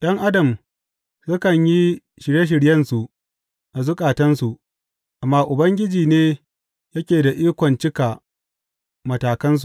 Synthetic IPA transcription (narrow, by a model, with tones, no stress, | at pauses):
j̰ɐ˦ŋʔa˦dɐ˨m | sʊ˦kɐ˨ɲji˦ | ʃɪ˨ɽje˦ʃ̬ɪ˨ɽjɐ˦nsu˨ʔ | ʔa˨zʊ˦kʼaː˨tɐ˦nsu˨ʔ | ʔa˨mːaː˦ʔʊ˨bɐ˦ŋɡʲɪ˦d͡ʒiː˨neː˦ | jɐ˦kʲeː˨da˨ʔiː˦kʷɔ˨nt͡ʃɪ˦ka˨ | mɐ˨taː˨kɐ˦ns̬u˨